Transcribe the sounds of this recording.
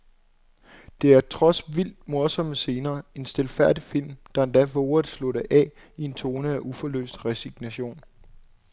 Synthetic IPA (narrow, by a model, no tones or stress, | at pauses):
d̥e̝æɐt͡sʰʁɒ̽sʋil̰d̥̚mo̝ɐsɒ̽məse̝ːnɐːe̝nsd̥e̝lfæɐ̰d̥ifil̰md̥ɑ̈end̥æʋɔːɐð̩ˠsloɾ̥əʔɛ̰ | ie̝nt͡sʰo̝ːnəæʔufɒ̽lø̰ːsd̥ʁɛsiɡ̥næɕo̝̰ːn